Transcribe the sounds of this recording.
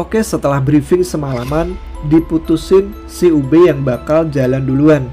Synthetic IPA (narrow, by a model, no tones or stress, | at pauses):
okɛsət̪əlahbɾifɪŋsəmalaman | diput̪usɪn | siubejaŋbakald͡ʒalanduluan